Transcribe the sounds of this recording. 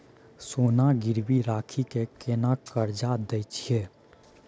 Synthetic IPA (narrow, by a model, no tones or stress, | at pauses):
soːnaɡɪɾbiɾaːkʰikekenakəɾd͡ʒad̪ɛɪt͡ʃʰie